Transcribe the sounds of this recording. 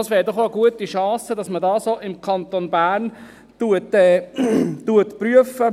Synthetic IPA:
ɑsʋɛːɾdɔχoəɡuətiʃɑ̃ːsədɑsmədɑːsoːɪmkʰɑnt̪onbæːɾn | tuətɛːtuətpɾyəfə

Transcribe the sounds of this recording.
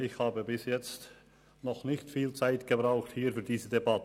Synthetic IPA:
ɪçhaːbəbɪsjɛt͡st | nɔχnɪçtfiːlt͡saɪtɡ̥əbʁaʊxthiːɾfyːd̥iːzədebɑtə

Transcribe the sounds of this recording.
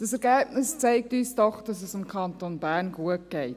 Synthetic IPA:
d̥ɑsɛɾɡæːb̥nɪst͡sɛɪk̚tyːsdɔχd̥ɑsɛsɪmkʰɑnt̪onbæːɾnɡuət̚ɡ̥ɛɪt

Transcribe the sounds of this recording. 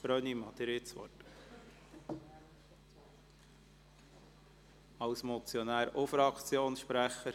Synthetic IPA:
bɾœnimɑt̪ɪɾɪt͡sʋɔ̰t | ɑwsmɔt͡sjɔnæːɾofɾɑkʰt͡sjoːnsʃpɾæχəɾ

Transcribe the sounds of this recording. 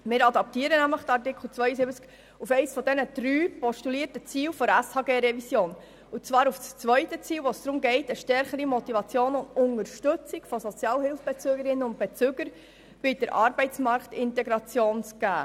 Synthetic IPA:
mɪːɾɑdɑp̚tiːəɾənæmləχdɑɾtɪkʰl̩t͡sʋœʏəsɪbət͡sk | ufɛɪsfɔdɛnəd̥ɾyːpɔʃtuliːərtət͡siːlfɔɾæshɑːɡeːɾɛvisjoːn | ut͡sʋɑːɾufst͡sʋœʏtət͡siːlʋɔsd̥ɾʊmɡɛɪtəʃtɛɾχəɾimɔtivɑt͡sjoːnʊndʊŋəɾʃtøt͡siɡ̥fɔsɔt͡sjɑːlhɪlfb̥ɛt͡søːɡəɾɪnːəʊnt̚b̥et͡søɡ̥əɾ | b̥ɪd̥əɾʔɑːɾbɛɪt͡smɑɾktɪntɛɡɾɑt͡sjoːnt͡sɡ̥æː

